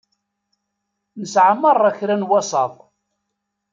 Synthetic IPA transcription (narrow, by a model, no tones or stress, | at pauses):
nəsʕaməɾˤːæçɾænwɑsˤɑ̰ðˤ